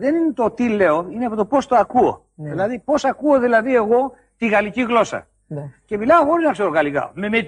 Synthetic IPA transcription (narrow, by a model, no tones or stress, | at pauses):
ðe̞ninet̪o̞t̪ile̞oineɐpot̪o̞po̞st̪oɐkuo̰ | ðilɐðipo̞sɐkuoðilɐðie̞ɣo̞ | t̪iɣɐliciɣlo̞sɐ̰ | ce̞milɐoxo̞ɾiznɐkseɾoɣɐlikɐ̰ome̞me